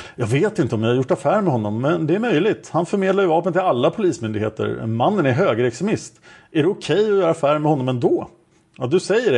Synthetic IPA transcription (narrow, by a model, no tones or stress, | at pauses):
jɑːɡveːt̪ɪnt̪əɔmjɑhaɾjʊʈːafæːɾɳmɛɦɔnːɔmːɛnd̪ɛæɾmœjlɪɡt̪hanfœɾmeːd̪laɾjɵvɑːpənt̪ɪlalːapʰʊliːsmʏnd̪ɪɡhḛːt̪ə̰ɾmanːənæɾɦøːɡəɾɛksɛmɪst̪ʔæɖɛʊkʰɛjːɔjœːɾaafæːɾɳmɛhɔnːɔmɛnd̪ɔː | ad̪ɵsɛjːəɖɛ